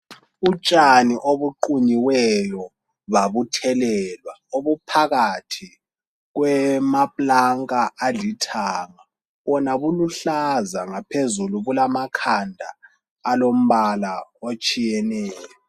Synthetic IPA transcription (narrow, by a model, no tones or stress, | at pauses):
ut͡ʃʼaniʔoβuǃuɲiwɛjɔ | βaβutʰɛlɛlwaoβupʰaɣatʰi | ɣwɛmapʼlaŋkʼaːlitʰaːŋa | βɔnaβuluɬazaŋapʰezuluβulamakʰandʱaː | lom̩βalaot͡ʃʼijɛnɛːjɔ